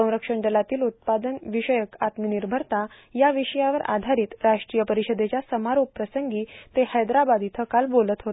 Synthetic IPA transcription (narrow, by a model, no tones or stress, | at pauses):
ə̃w̃ɾəkʂəɳɖ̪əlat̪iːlut̪̚pad̪ənʋiʂəjəkat̪miniɾbʱəɾt̪a | jaʋiʂəjãʋəɾa̰d̪ʱaɾiːt̪ɾaʂʈɾiːjəpəɾiɕəd̪ʱet͡ɕjasəmaɾoppɾəsəŋɡiːt̪ehəjd̪ɾabad̪it̪ʰəkalbolət̪ɦot̪